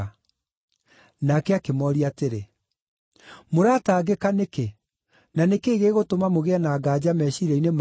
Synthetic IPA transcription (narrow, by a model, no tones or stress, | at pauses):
nakɛakemɔɾiateɾe | moɾataːɡekaneke | nanekeːɣeːɣotomamoɣeɛnaːɡaːd͡ʑamɛːɕiɾɛinem